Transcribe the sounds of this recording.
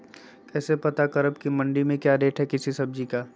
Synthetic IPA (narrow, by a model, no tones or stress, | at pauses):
kɛːsepɐt̪akɐɾəb̚kimɐ̃ɳɖimẽkjaːdeːʈɦɛkɪsisɐb̚d͡ʒikaː